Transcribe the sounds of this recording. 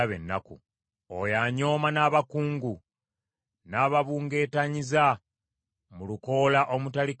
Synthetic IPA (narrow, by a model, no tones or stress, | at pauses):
aβḛnːa̰kṵ | o̰jaːɲo̞ːmanaːβakuːŋɡu | naːβaβuːŋɡe̞ːtaɲiza | muluko̞ːlaʔo̞mutalik